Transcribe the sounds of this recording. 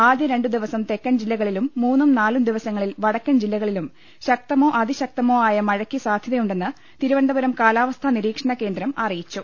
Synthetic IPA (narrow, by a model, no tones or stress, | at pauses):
aːd̪jɐɾe̞ɳɖɨd̪iʋɐsɐmt̪e̞kːɐnd͡ʑilːɐɣɐɭilumːuːnːumnaːlumd̪iʋɐsɐŋːɐɭilʋɐɽɐkːɐnd͡ʑilːɐɣɐɭilum | ɕɐk̚t̪ɐmo̞ːʔɐd̪iɕɐk̚t̪ɐmo̞ːaːjɐmɐɻɐkːisaːd̪ʱjɐðɐjuɳɖe̞nːɨ | t̪iɾuʋɐɳɖ̪ɐbɐɾɐmkaːlaːʋɐst̪ʰɐniɾiːkʂɐɳɐke̞ːnd̪ɾɐmɐrijit͡ɕːu